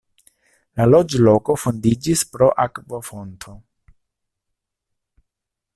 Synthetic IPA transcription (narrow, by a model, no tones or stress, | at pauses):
lalo̞d͡ʒlo̞ko̞fondid͡ʒispɾo̞ʔakvofo̞ntʰo̞